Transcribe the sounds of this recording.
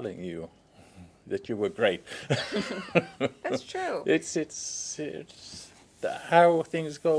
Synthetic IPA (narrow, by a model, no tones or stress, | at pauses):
lˠɪ̰̃ŋjɨ̰ | ðɨt͡ʃɨwə˞ɡɹeɪt̚ | stʰɹ̥ʉʔɪtsɪtsɪt | haʊθɪ̃ŋzɡoʊ